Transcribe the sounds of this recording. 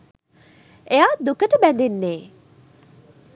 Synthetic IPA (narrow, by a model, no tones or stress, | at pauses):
ejaːd̪ukəʈəbænd̪enːeː